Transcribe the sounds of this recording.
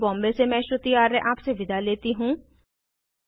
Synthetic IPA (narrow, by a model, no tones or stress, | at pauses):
bɔ̃ːmbesemɛ̃ːʃɾʊt̪ijaːɾːeʔaːpseʋɪd̪ʱaleːt̪iɦũː